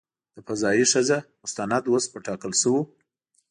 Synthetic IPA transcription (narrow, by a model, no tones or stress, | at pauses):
d̪̥əfazɑjiʂəzamʊst̪anad̪wospəʈɑkəlʃəwu